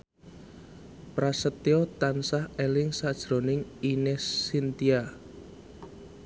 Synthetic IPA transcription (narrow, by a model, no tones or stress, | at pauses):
pɾasət̪eot̪ansahelɪŋsad̥ʒ̥ɾonɪŋinɛsːint̪ia